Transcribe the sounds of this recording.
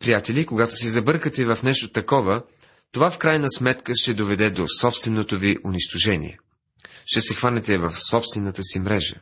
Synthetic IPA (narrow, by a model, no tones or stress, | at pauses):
pɾijat̪ɛlʲikoɡat̪osɛzɐbɤɾkət̪ɛvɐfnɛʃt̪ot̪ɐkɔvə | t̪ovafkɾajnəsmɛt̪kəʃt̪ɛd̪ovɛd̪ɛd̪osɔpst̪vɛnot̪oviʔʊniʃt̪oʒɛnḭɛ̰ | ʃt̪ɛsɛxvanɛt̪ɛvɐfsɔpst̪vɛnət̪əsimɾɛʒə̰